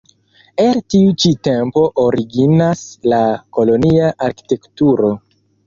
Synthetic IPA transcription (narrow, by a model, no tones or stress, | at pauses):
eltiut͡ʃite̞mpo̞ʔoɾiɡinaslako̞lo̞niaʔaɾki̥te̞ktuɾo̞